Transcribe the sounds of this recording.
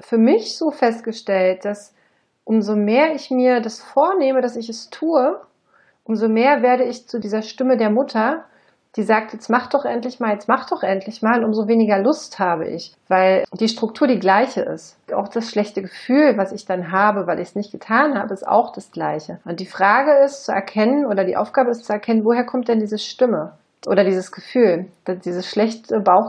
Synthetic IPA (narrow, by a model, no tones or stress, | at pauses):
fyːɐmɪçz̥oːfɛstɡ̥əʃtɛlt̚d̥as | ʔʊmzomeːɐɪçmiːɐdasfoːɐneːmədasɪçɛstʰuːə | ʔʊmzomeːɐveːɐɾəɪçt͡sudiːzɐʃtɪmədeːɐmʊtʰɐ | d̥iːzaːk̚tjɛt͡smaχd̥ɔχʔɛntlɪçmaːljɛt͡stmaχd̥ɔχʔɛntʰlɪçmaːlʊntʔʊmzoveːnɪɡɐlʊsthaːbə̰ʔɪ̰çv̥aɪld̥iːʃtʁ̥ʊk̚tʰuːɐdiːɡlaɪçəʔɪ̰st | a̰ʊxd̥asʃlɛçtəɡəfyːlvasɪçd̥anɦaːbəvaɪlʔɪçsnɪçt̚ɡ̥ətʰaːnhaːbəɪsta̰ʊxd̥asɡ̥laɪçəʔʊnt̚d̥iːfʁ̥aːɡəɪstt͡suɛ̰ɐkʰɛnənʔoːɾɐdḭːʔa̰ʊfɡ̥aːbəɪstt͡suɛɐkʰɛnənvoːheːɐkʰɔmt̚d̥ɛndiːzəʃtɪmə | ʔo̰ːɾɐdiːzəsɡ̥əfyːld̥ad̥iːzəsʃlɛçtəbaʊx